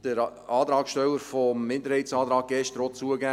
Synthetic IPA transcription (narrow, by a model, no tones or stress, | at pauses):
d̥əɾ | ɑːt̪ɾɑːkʃtɛləɾfɔmːɪndəɾhɛɪtsɑːt̪ɾɑːɡ̚ɡ̥ɛʃtɾot͡suəɡæ